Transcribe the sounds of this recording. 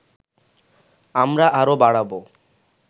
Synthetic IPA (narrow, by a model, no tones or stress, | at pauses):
amɾaʔaɾobaɽabo